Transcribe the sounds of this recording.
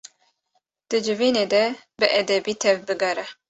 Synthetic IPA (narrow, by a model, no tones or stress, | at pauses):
d̪̥ɨd͡ʒɨviːneːd̪ɛbɨʔɛd̪ɛbiːt̪ʰɛvbɨɡɑɾɛ